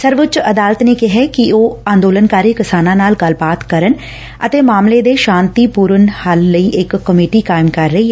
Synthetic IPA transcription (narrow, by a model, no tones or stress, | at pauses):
səɾʋʊt͡ʃəd̪aːlət̪neːkɪɦɛːkɪoːãːnd̪oːlənkaːɾiːkɪsaːnãːnaːlɡəlbaːt̪kəɾən | ə̰t̪eːmaːmleːd̪eːʃãːnt̪iːpuːɾənhəlːəiːʔɪkːəmeːʈiːkaːɪmkəɾːəɦiːɦɛ